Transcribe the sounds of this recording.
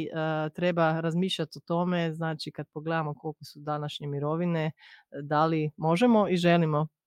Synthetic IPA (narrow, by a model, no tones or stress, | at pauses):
t̪ɾe̞baɾazmiːʃʎat̪ot̪o̞me̞znaːt͡ʃikad̪̚poɡleːd̪amoko̞lˠkosud̪anaʃɲe̞miɾo̞ʋine̞d̪alimo̞ʒemo̞iʒe̞limo̞